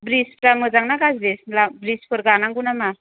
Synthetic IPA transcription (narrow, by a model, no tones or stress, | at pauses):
bɾispʰɾamɯzaŋnaɡazdeslabɾispʰɯɾɡanaŋɡunama